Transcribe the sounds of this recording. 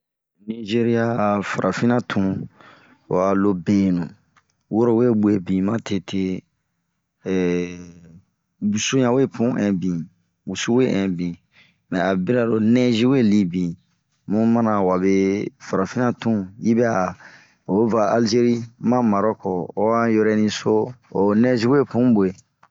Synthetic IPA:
ni˦ʒe˦ɾi˦a˦˨fa˨ʔa˨fĩ˦nã˦tʰũ˦˨ | a˨lo˦be˨nũ˨ | wo˦ɾo˦we˦ɡ͡be˦˨bĩ˨mã˦tʰe˦tʰe˦˨ | bu˨su˦ɲã˨we˦pʰũ˦ʔɛ̃˨bĩ˨ | bu˨su˦we˦ʔɛ̃˨bĩ˨ | mɛ̃˨a˨bi˦ɾa˨ɾo˨nɛ̃˦zi˦we˦˨li˧bĩ˨ | mũ˦mã˦nã˨wa˨be˦fa˨ɾa˨fi˦nã˦tũ˦ji˦bɛ˦a˨ | o˨˦va˨a˨ld͡ʒe˦ɾi˦mã˦ma˨ɾɔ˦kɔ˨o˦wa˦jo˦ɾɛ˧nĩ˧so˦o˨nɛ̃˦zi˦we˦˨pũ˨˦bo˨e˨

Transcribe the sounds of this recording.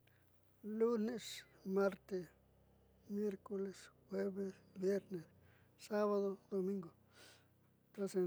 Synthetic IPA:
lu˦ne˦s | ma˦ɾt̪e˧ | mje˦ɾko˧le˨sxwe˦be˦bje˦ɾne˨s | sa˦βa˧d̪o˧d̪o˧mi˦ŋɡo˨ | t̪ɾa˦se˧

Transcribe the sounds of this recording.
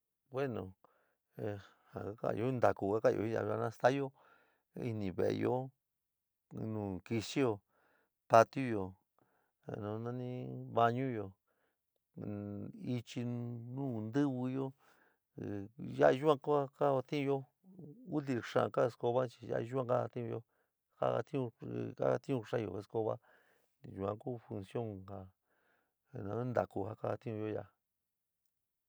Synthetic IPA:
bwe˦nõ˨˧ | ha̰˨ka˦ka̰˦˨jo˦˧nd̪a˨ku˧˨ka˦ka˦˨jo̰˧i˦ja̰˧a˧nã˧˦˧st̪a˦jo˦ | ḭ˧nĩ˧˨βḛ˨ʔjo˦ | nũː˨ki˧ʃi˦jo˧ | pa˧t̪ju˦jo˨ | nõ˧nã˦nĩ˦βa˧ɲũ˦jo˧˨ | i˧t͡ʃi˧nũː˦˨nd̪ɨ˦βɨ˧jo˦ | ja˦i˧ʒu˦ã˧ko˦a˦ka˦o˧t̪ĩ˦ũ˧jo˦ | u˦t̪i˧ʂã̰˧ka˦e˧sko˧βa˦t͡ʃi˧ja̰˦ʔʒu˦ã˧ka˦a˧t̪ĩ˦ũ˧jo˦ | ha̰˦a̰˧t̪ĩ˦ũ˧a̰˦˧t̪ĩ˦ũ˧ʂa˦˧jo̰˨he˧sko˧βa̰˦ | ʒu˨ã̰˧ku˦˨fu˧nsjo˦˨ŋha˧˨ | nã˧˦nd̪a˨ku˧ha˦ka˦a˧t̪ĩ˦ũ˧jo˦ja̰˧

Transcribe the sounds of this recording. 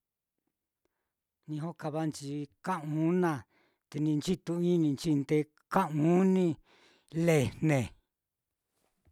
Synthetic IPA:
nĩ˧ɦo˦ka˧βa˦nt͡ʃi˧kã˦ʔũ˨˦nã˧˨ | t̪e˧nĩ˧nt͡ʃi˦t̪u˧ĩ˦nĩ˧nt͡ʃi˦nd̪e˧ | ka˦ʔũ˦nĩ˦ | le˨nnẽ˨

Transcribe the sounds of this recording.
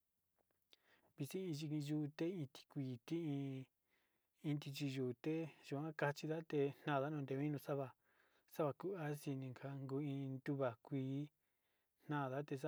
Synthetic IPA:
βi˧si˦ĩ˧ʒi˧kĩ˧ʒu˦˧t̪e˦ĩ˧t̪i̥˧kʷiː˨˧t̪i˦ĩ˧ | ĩ˧t̪i˧t͡ʃi˧ʒuː˨t̪e˦ʒu˨ã˦ka˧t͡ʃi˧ða˦t̪e˧n̥nã˦˨ða˦nũ˧d̪e˧˦ĩ˦nũ˧sa˦βa˧ | sa˦βa˧ku˦a˦si˧nĩ˧ŋkʰa˧ŋɡu˧˦ĩ˧nd̪u˦βa˨kʷiː˧˦ | n̥ã˦˨ða˦t̪e˧s

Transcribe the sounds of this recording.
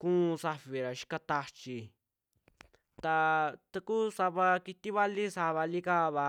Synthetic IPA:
kũː˦˧sa˧fi˨ɾa˨ʃi̥˧ka˧t̪a˧t͡ʃi˧ | t̪a˧t̪a˧ku˦sa˧βa˧ki˧t̪i˦βa˦li˦sa˧βa˧li˦kaː˦βa˧

